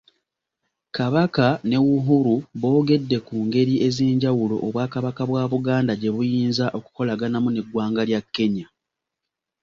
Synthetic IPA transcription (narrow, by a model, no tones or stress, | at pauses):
kaβakane̞wuɦuɾuβo̞ːɡe̞dːe̞kuːŋɡe̞ɾiʔe̞zeːɲɟawulo̞̰ʔoβwaːkaβakaβwaːβuɡaːndaɟe̞βujiːnzaʔo̞ku̥ko̞laɡanamuneɡwaːŋɡaljakːe̞ɲa